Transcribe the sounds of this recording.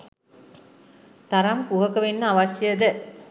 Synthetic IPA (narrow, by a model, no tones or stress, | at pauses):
t̪aɾamkuɦəkəʋenːəaʋaʃjəjəd̪ə